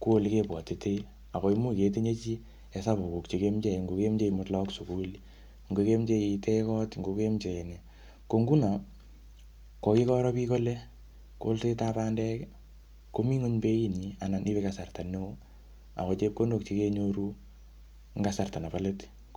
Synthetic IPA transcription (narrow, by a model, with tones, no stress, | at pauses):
ku˦o˦lke˦pwɔ˨te˨te˦ | a˨kɔ˨i˦mu˦ke˨t̬e˦ɲe˦t͡ʃi˦ | e˨sa˦bu˨ku˨kt͡ʃi˨ke˦mt͡ʃɛ˨ŋɡo˨˧ke˦mt͡ʃe˦i˨mʊ˦tlɔ˦ksu˨ku˦l | ŋɡo˧ke˦mt͡ʃe˧itɛ˦kɔ˦tŋɡo˨ke˦mt͡ʃe˨ne˨ | ko˧ŋɡu˦na˨ | ko˧ki˦kɔ˦ɾɔ˦pi˦ko˦le˦ | ko̰˦lse˦ta˦pa˦ndɛ˦k | ko˦mi˦ŋo˦ɲbe˦i˦ni˨a˨na˨ni˦beka˨sa˨rta˨nːe˦o˦ | a̰˨kɔt͡ʃe˦p̚ko˦ndo˨kt͡ʃi˦ke˦ɲoɾu˦ | ŋɡasa˨rta˨na˨pa˦le˦t